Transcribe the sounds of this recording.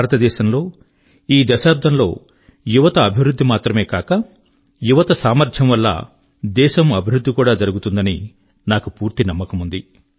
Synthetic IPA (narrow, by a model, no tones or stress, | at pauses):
aːɾɐt̪ɐd̪ɛːʃɐmlo̞ː | iːd̪ɐʃaːp̚d̪ʰʱɐmlo̞ː | juʋɐt̪ɐːbʱiʋɾud̪ʱːimaːt̪ɾɐme̞ːkaːkɐ | juʋɐt̪ɐsaːmɐɾd͡ʒɐmʋɐlːɐ̰ | d̪ɛːʃɐmɐbʱiɾud̪ʱːikuːɽaːd͡ʒɐɾuɡut̪und̪ɐni | naːkupuːɾt̪inɐmːɐkɐmund̪i